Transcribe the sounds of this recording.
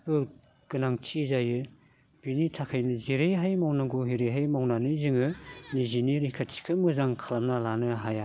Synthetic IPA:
bɯ | ɡ̥ɯnaŋt͡ʃʰizajɯ | b̥initʰakʰajnɯziɾejɦajmawnaɡuɦiɾejɦajmawnanɯzɯŋɯniziniɾikʰatsi̥kʰɯmɯzaŋkʰalamnalanɯɦaja

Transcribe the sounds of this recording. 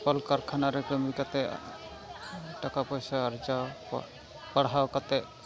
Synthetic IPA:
pəlkaɾkʰanaɾɛkəmikat̪ɛ̰ | ʈakapɔjsaːɾd͡ʒawp | pəɽɦawkat̪ɛ

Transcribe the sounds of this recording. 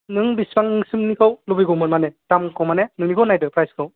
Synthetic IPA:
nɯŋbisbaŋɯŋsɯmnikʰɯwlubɯjɡɔwmɯnmanɛtamkʰɔwmanenɯŋnikʰawnajdɯpʰɾajskʰɯw

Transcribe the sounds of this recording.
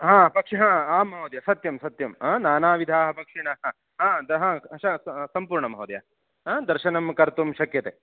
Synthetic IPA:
ɦãːpɐkʂɐɦãːaːmɐɦɐd̪jɐsɐt̪jɐmsɐt̪jɐmɦãːnaːnaːʋid̪ʱaːɦɐ̆bʱɐkʂiɳɐɦɐ | ɦãːd̪ɦãːʃɐsɐmpuːɾɳɐmɐɦɐd̪jɐ̰ | ɦãːd̪ɐɾʃɐnɐmkɐɾt̪umʃɐkjɐt̪eː

